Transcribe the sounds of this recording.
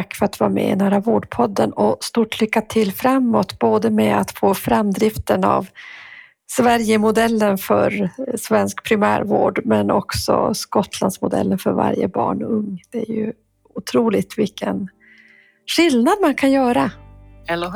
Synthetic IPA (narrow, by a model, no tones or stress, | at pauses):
akːfœɾat̪vɑːmɛ̰ɪ̰næːɾavoːɖpʰɔd̪ːənɔst̪uːʈlʏkːat̪ʰɪlːfɾamːɔt̪boːd̪əmɛat̪foːfɾamd̪ɾɪft̪əna̰v | svæɾjəmʊd̪ɛlːənfœɾsvɛnskpʰɾɪmæ̰ːɾvo̰ːɖmɛnɔksɔ̰skɔt̪ʰland̪smʊd̪ɛ̰lːənfœɾva̰ɾjə̰bɑ̰ːɳɵŋːd̪̥ɛæɾjɵ | ʊt̪ʰɾuːlɪɡt̪vɪkːən | ɧɪlnad̪mankʰanjœːɾa